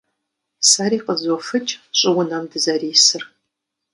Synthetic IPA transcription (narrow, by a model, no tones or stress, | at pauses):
saɾiːqəzɔfɨt͡ʃʼɕʼɪwʊnɐmdɨzɐriːsɨr